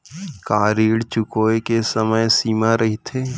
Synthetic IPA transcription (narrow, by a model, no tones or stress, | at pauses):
kaːɾiːɽt͡ʃʊkoːekesəməjsiːmaɾɐɦit̪ʰeː